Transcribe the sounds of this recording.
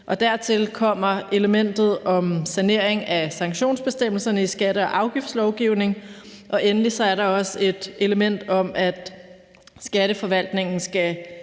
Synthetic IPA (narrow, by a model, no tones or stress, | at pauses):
ʔɒ̽d̥æɐ̰t͡sʰe̝lkʰɒ̽m̰ɐʔe̝ləmen̰d̥ð̞̩ˠɒ̽msæne̝ɐ̰e̝ŋæsɑ̈ŋɕo̝̰ːnsb̥e̝sd̥em̰l̩sɐnəisɡ̥æɾ̥əɒ̽ʔɑ̈ʊɡ̥ifd̥slɒʊɡ̥iʊne̝ŋʔɒ̽ʔenəlisɒ̽æɐɾɑ̈ɒ̽se̝d̥ʔe̝ləmen̰d̥ɒ̽mʔæd̥ | sɡ̥æɾ̥əfɒ̽ʋæl̰d̥ne̝ŋn̩sɡ̥æ